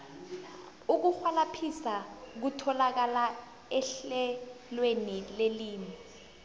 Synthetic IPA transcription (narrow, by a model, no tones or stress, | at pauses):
uk̬uxwalapʰisak̬utʰɔlak̬ala | ɛɬɛlwenileliːmi